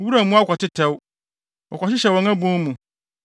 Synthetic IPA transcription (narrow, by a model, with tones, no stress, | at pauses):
wu˦ɾa˨mũ˦a˦kʷʰɔ˨tʰɪ˦tʰɛ˦w | wʔɔ̰˨kʰʷɔ˨t͡ɕɪ˦ɕɛ˨wɔ̃˨ŋã˦bũ˦mũ˨